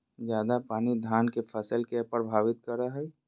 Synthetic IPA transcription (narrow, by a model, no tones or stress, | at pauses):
d͡ʒjaːd̪apaːnid̪ʱaːnkepʰəsəlkepɾəbʱaːbɪt̪kəɾəɦəj